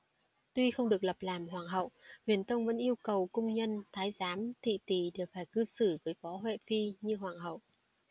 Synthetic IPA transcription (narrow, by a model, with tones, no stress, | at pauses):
t̪wi˧xə˧wŋ͡mɗɨ˨˩ək̚lə˨˩p̚laː˨˩mɦwaː˨˩nɦə̰˧˨whwi˨˩ənt̪ə˧wŋ͡mvə̰˧˥nʔi˧əwkə˨˩wkʊ˧wŋ͡mɲə˧nt̪ʰaː˨˦jzaː˨˦mt̪ʰḭ˧˨t̪i˨˩ɗe˧˩faː˧˩jkɨ˧sɨ˧˩vəː˨˦jfɔ˨˦ɦwḛ˧˨fi˧ɲɨ˧ɦwaː˨˩nɦə̰˧˨wʔ